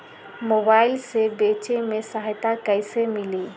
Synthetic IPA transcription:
moːbaːɪlsebeːt͡ʃemẽsaɦjt̪akəɪsemɪliː

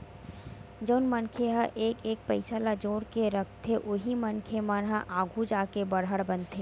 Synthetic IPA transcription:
d͡ʒəʊnmɐnkʰeɦəʔeːkeːk̚pɐɪsalad͡ʒoːɾkeɾɐkʰt̪ʰeʔʊɦimɐnkʰemənɦaʔaːɡʱud͡ʒaːkebɐɽɦəɽbɐ̃nt̪ʰeː

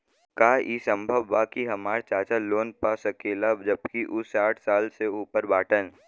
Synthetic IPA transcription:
kaːʔisə̃mbʱəʋːaːkiɦɐmaːɾt͡ʃaːt͡ʃaloːnpaːsɐkeːlad͡ʒəbkiʔʊsaːʈʰsaːlseuːpəɾbaːʈən

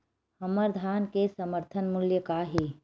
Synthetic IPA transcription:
hɐməɾd̪ʱaːnkesɐməɾt̪ʰənmʊljəkaɦi

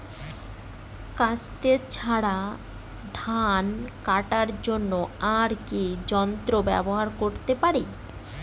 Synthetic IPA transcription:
kat͡ɕt̪eɾt͡ɕʰaɽa | d̪ʱankaʈaɾd͡ʑonːoaɾkid͡ʑɔnt̪ɾobɛ̰boɦaɾkoɾt̪epaɾi

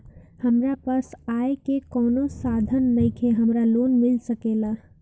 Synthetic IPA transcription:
həmɾapəsaekekɔːnosad̪ʱənːəɪkʰeɦəmɾaloːnmɪlsəkela

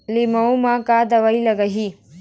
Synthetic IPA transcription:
limɐwmakaːd̪ɐʋɐilɐɡɐɦi

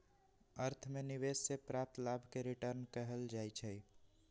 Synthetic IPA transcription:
əɾt̪ʰmeniʋessepɾap̚t̪labʱkeɾiʈəɾnkəɦəld͡ʒajt͡ʃʰə

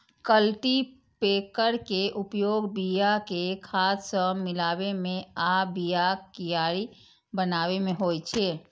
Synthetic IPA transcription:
kəlʈi | peːkəɾkeʔupjoːɡbijakekʰassəmɪlaːbemẽabijakijaɾi | bənaːβemẽɦojt͡ʃʰe

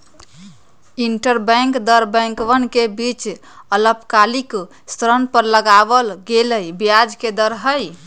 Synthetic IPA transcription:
iɳʈəɾbəŋkd̪əɾbɛ̃ŋkʋənkebit͡ʃ | ələpkalik | st̪ɾənpəɾləɡabəlɡeləjbijad͡ʒked̪əɾɦəj

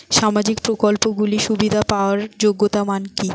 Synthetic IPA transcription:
ʃamad͡ʑik̚pɾokolpoɡuliʃubid̪ʱapaoaɾd͡ʑoɡːot̪amanki

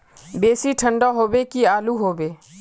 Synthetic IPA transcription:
beːsiʈʰə̃ɳɖaɦoːbekiaːluɦoːbeː

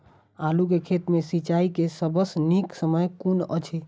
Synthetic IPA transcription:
aluk̬ekʰet̪mesit͡ʃaikesəbəsniksəməjkunə̰t͡ʃʰe

